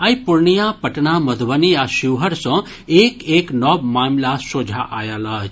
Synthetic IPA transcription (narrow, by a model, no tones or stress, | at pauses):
ajpuɾnijãpɐʈnamɐd̪ʱʋəniaʃiʋɦəɾsɐ̃ | eːkeːknɔbmaːmlasod͡ʒʱaʔaːjalat͡ʃ